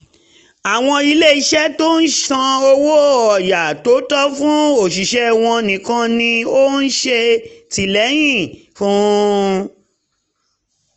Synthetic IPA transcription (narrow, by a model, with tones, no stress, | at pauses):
a˨w̃ɔ̃˧i˧le˦i˧ʃɛ˦to˦n̩˦ʃã˧o˧wo˦ɔ˨ja˨to˨˦tɔ˦fũ˦o˨ʃ̬i˨ʃɛ˨˦w̃ɔ̃˧nĩ˨kã˧nĩ˧o˦n̩˦ʃe˧ti˨lɛ˨˦j̃ĩ˦˨fũ˦